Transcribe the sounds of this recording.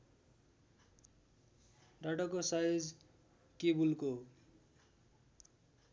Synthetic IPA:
ɖaʈʌkosajod͡z | kebulko

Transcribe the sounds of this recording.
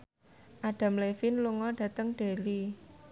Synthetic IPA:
ʔaɖ̥a̤mlefinluŋɔɖ̥ä̤t̪əŋɖ̥e̤li

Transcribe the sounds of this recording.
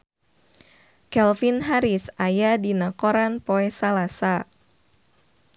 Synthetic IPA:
kɛlfinɦaɾɪsajadinakoɾanpoɛsalasa

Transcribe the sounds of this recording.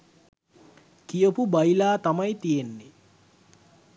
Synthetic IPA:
kijopubajlaːt̪amɐjt̪ijenːi

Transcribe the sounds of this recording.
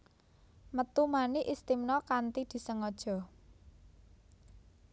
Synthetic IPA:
mət̪umaniʔist̪imnɔkant̪id̪̥i̤səŋɔd̥ʒ̥ɔ̤

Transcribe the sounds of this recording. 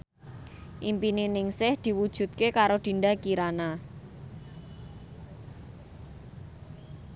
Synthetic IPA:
ʔimpinenɪŋsɪhd̪̥i̤wud̥ʒ̥ṳt̪̚kekaɾod̪̥i̤ɳɖakiɾana

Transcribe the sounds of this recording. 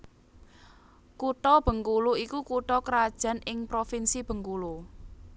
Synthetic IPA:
kuʈɔb̥ə̤ŋkuluikukuʈɔkɾad̥ʒ̥a̤nɪŋpɾofinsib̥ə̤ŋkulu

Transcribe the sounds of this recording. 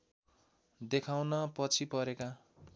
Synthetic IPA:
d̪ekʰawnʌpʌt͡sʰipʌɾeka

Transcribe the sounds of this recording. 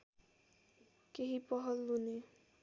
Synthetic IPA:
keɦipʌɦʌlːune

